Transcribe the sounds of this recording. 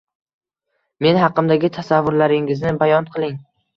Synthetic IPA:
me̞nhɑqːɨmd̪aɡʲɪt̪ʰasavːʊɾlaɾɪŋɪznɪbajɒnqʰɨlˠɪŋ

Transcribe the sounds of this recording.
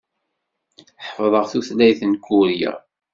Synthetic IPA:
ħfðˤəʁθuθlæjθənkːuɾjæ̰

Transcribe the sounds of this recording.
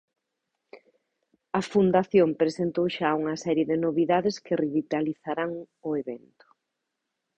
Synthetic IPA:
ɐfund̪aθjompɾesent̪owʃauŋɐsɛɾjeðɪnoβiðaðɪskɪriβit̪aliθaɾaŋ | ʊeβɛnt̪ʊ̥

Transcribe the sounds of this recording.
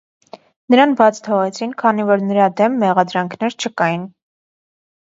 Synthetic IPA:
nəɾɑnbɑt͡sʰt̪ʰɔʁɛt͡sʰinkʰɑnivɔɾnəɾɑd̪ɛmːɛʁɑd̪ɾɑŋkʰnɛɾt͡ʃʰəkɑjin

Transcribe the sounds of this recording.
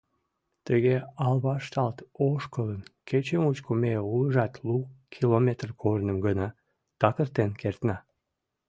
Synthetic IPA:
t̪əɣeɑlβɑʃt̪ɑlt̪oʃkələnkʰet͡ɕəmut͡ɕkumeuləʒɑt̪lukʰilomʲet̪rkʰornəmɡənɑ | t̪ɑkərt̪enkert̪nɑ

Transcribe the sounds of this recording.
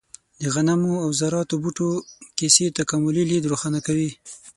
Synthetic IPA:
d̪əɣanamoawzaɾɑt̪obuʈokeset̪akamʊlilid̪ɾoxɑnakawi

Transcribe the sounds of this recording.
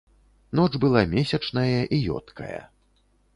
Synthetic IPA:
nɔd͡ʐbɨlˠamʲesʲɐt͡ʂnɐjɐʔijɔ̰t̪kʰɐ̰jɐ̰

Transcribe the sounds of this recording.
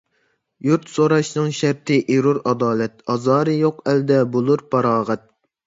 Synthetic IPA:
juɾt̪soɾɑʃnɨŋʃæɾt̪ʰɪʔiɾuɾɑd̪ɑːlɛt̪̚ɑzɑːɾɨjoqæld̪ɛbolˠuɾpʰɑɾɑːʁɛt̪̚

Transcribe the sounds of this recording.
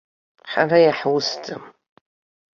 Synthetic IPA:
ħa̰rajaħwʊstʼɨm

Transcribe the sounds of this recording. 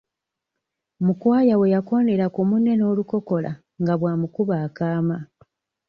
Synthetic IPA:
mukwaːjawe̞jako̞ːne̞ɾakumune̞no̞ːluko̞ko̞la̰ | ŋɡaβwaːmukuβaːkaːma

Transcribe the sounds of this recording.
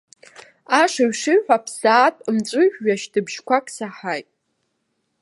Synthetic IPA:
aʂaɥʂɨɥħʷᶣapʰsaːtʼmt͡sʷʼʊʒᶣɥaʃdʰɨbʒ̥kʷʰakʼsaħajtʼ

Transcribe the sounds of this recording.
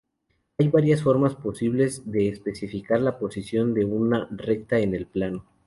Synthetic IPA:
ajβaɾjasfo̞ɾmaspo̞siβle̞zðe̞ːspe̞sifikaɾlapo̞sisjo̞nd̪e̞unare̞k̚t̪ae̞ne̞lplano

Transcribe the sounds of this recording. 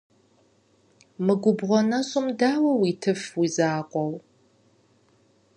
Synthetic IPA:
mɨɡʷʊbʁʷɔnɐɕʼʊmdaːwɐwiːtʰɨfwizaːqʷʼɔw

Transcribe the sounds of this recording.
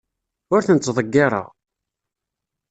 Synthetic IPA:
ʊɾθənt͡s̪ːðˤəɡːɪɾˤɑ̰ʁ

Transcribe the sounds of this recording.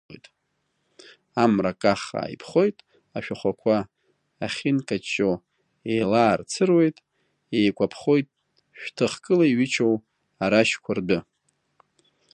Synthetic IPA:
jtʼ | amrakʼaχa̰ːjpʰχo̞jtʼ | aʃᶣaχʷakʷʰaː | χʲinkʼat͡ʃʼːo | ejlaːrt͡sʰɨrwe̞jtʼ | ejkʷʼapʰχo̞jtʼ | ʃᶣtʰɨχkʼɨlaiɥit͡ʃʰow | aɾaʃkʷʰardɨ

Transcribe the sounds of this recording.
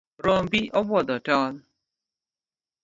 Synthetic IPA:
ɾɔmbiʔɔbɔdɔtɔl

